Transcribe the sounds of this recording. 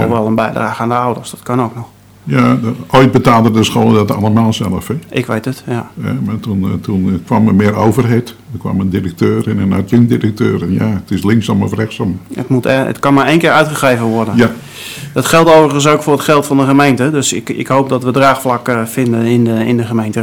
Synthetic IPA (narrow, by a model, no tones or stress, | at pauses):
ɔ̰ʋɛlˠənbɛjdraːɣəaːndəawdərsd̥ɔ̥tkɑnowknɔx | jaojd̚bətaːlˠdədəsxoːlˠədɔta̰lˠəmaːlˠsɛlˠəfɪʔɪkʋejtətjaɛ̰matuntʰunkʋaməmɪəɾoːvərɦetdəkʋa̰məndirək̚tøːɾɛnənatjəŋdirək̚tøːɾɛnja̰ətɪslɪŋksɔmɔ̰frɛxsɔmə̰tmutɛə̰tkɑnmaɹejnkɪːɹœɥtχəxrejvənʋɔrdən | dɔtxɛlˠtowvərəxəns̬owkfʊːətxɛlˠtfɑndəxəmejntədøsɪkɪ̰kɦowp̚dɔtʋədraːxflakfɪndənɪndəɪndəxəmejntə